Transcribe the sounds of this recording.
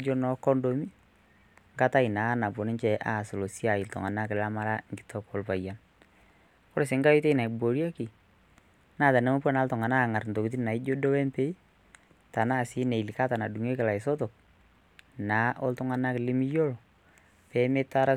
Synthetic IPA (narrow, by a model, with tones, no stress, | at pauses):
d͡ʒo˦nɔ˨kɔ˦ndo˦mi˦ | ŋɡa˦ta˦i˨na˨˦na˨po˨nɪ˦nt͡ʃɛ˨ʔa̰˨so˨lo˨si˦a˨ɪ˨ltɔ̰˨ŋa˨na˦kɪ˨la˦ma˦ɾa˦ŋɡɪ̥˨˦tʰɔ˦kɔ˨lpa˨ja˨n | kɔ˦ɾe˨s̬ɪ˨˦ŋɡa˦jo˦te˦na˨i˨bo˨ɾja˦kɪ˨ | na˦˨ta˨nɛ˦mo˦pɔ˦na˨˦ltɔ˨ŋa˨na˦˨ŋa˨ɾnto˨ki˨t̬i˦nna˨ɪ˦d͡ʒo˦do˦wɛ˦mpe˦i˦ | ta˨na˦˨sɪ˦ne˨i˨li˨ka˦ta˨na˨du˨ŋe˦kɪ˨la˨ɪ˨sɔ˦tɔ˨k̚ | na˨˦ʔɔ˦ltʊ˦ŋa˦na˦kɪ˨lɪ˦mi˦jo˦lɔ˨ | pɛ˨˦me˦ta˦ɾa˦